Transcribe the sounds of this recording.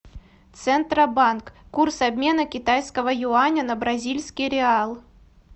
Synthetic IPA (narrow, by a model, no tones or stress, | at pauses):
t̪sɛnt̪ɾɐbankːursɐbʲmʲe̞nəkʲɪt̪ajskəvəjʊanʲənɐbɾɐzʲilʲsʲkʲijɾʲɪalˠ